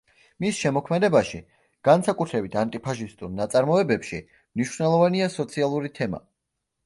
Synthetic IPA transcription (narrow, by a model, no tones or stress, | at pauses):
misʃɛmɔkʰmɛd̪ɛbaʃi | ɡ̥ansakʼut̪ʰɾɛbit̪ʰant̪ʼipʰaʃist̪ʼuɾnat̪sʼaɾmɔɛbɛpʃi | mniʃvnɛlˠɔvaniasɔt̪sʰialˠuɾit̪ʰɛma̰